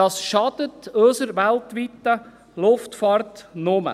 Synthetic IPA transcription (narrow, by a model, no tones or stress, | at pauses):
ɑsʃɑd̪ətøsəɾʋɛltʋitːə | lʊftfɑːɾtnomə̰